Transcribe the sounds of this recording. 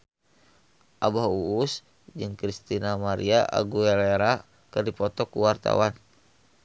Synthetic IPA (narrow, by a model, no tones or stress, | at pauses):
ʔabaɦuːs | d͡ʒɨŋkɾist̪inamaɾiaʔa̰ɡuɛleɾa | kɨrdipɔt̪ɔkuwart̪a̰wan